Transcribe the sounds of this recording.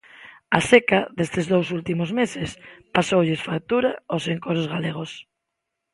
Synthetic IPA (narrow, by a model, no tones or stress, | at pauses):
asekaðest̪ɪzðows̬ult̪imozmesɪspasowʎesfak̚t̪uɾaoseŋkoɾozɣaleɣ̞os